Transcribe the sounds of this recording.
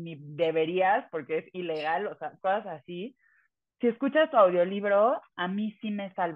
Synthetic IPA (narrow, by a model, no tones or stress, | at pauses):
niðe̞βe̞ɾiaspo̞ɾke̞esile̞ɣ̞aloseakosasasi | sie̞skut͡ʃast̪uawðjo̞liβɾo̞amĩsime̞salβ